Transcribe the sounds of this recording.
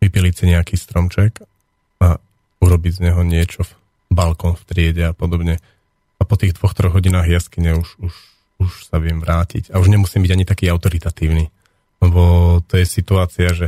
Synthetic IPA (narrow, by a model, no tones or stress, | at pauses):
ʋipilicsiɲɛakiːst̪ɾɔmt͡ʃɛk | a | uɾɔbiɟzɲɛɦɔɲɪɛt͡ʃɔf | balkɔːnft̪ɾɪɛɟɛapɔd̪ɔbɲɛ | apɔt̪iːɣd̪ʋɔxt̪ɾɔɣɦɔɟinaːɣjaskiɲɛuʃuʃ | uʃsaʋɪɛmʋɾaːcḭcauʒɲɛmusiːmbiɟaɲit̪akiːaʊt̪ɔɾit̪at̪iːʊniː | lɛbɔt̪ɔjɛsit̪uaːt͡siaʒɛ